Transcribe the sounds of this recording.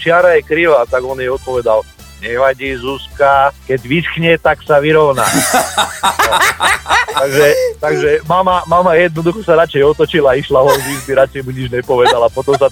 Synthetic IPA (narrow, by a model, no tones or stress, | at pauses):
t͡ʃɪaɾajɛkɾiʋat̪aɡɔnjɛɔt̪̚pɔʋɛd̪al | ɲɛʋaɟiːzuskakɛɟʋisxɲɛt̪aksaʋiɾɔʋna̰ | t̪aɡʒɛt̪aɡʒɛmamamamajɛd̪̚nɔd̪uxɔsaɾat͡ʃɛjɔt̪ɔt͡ʃilaiʃlaɦɔziɡb̪iɾat͡ʃɛjmuɲid͡ʒɲɛpɔʋɛd̪alapɔt̪ɔms̬a